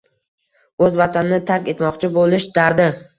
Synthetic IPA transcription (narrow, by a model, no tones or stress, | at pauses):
ɵzvat̪ʰanɪnɪt̪ʰaɾkʲe̞t̪mɒqt͡ʃʰɪbolˠɪʃd̪aɾd̪ɪ